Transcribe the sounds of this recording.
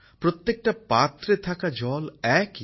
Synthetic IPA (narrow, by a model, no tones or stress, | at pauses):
pɾot̪ːek̚ʈapat̪ɾet̪ʰakad͡ʒɔlɛk